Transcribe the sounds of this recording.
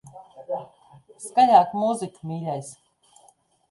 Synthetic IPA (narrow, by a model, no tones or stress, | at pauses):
skaʎaːkmuzikumʲiːlʲɛjs